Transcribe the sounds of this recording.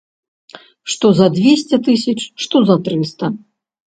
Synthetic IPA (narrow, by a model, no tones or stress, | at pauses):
ʂt̪ɔzɐd̪ʲvʲesʲt͡sʲɛt̪ɨsʲɐt͡ʂʂt̪ɔzɐt̪ɾɨst̪ɐ